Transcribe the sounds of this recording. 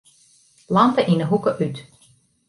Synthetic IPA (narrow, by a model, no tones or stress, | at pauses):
lɑmtəʔinəɦukəʔyt